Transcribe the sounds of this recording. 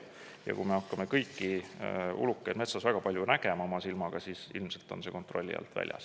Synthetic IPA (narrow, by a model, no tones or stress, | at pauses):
jɑ̰kṵme̞ɑkːˑɑme̞kɤjkːi | ṵlukːˑejd̪̥me̞t̪sɑsvæɡ̥ɑpɑlʲjunæɡ̥e̞mɑomɑsilmɑɡ̥ɑsiːsilmse̞lt̪ːˑo̞̰nse̞ko̞nt̪ro̞lʲːḭɑ̰lt̪væ̰lʲjɑ̰s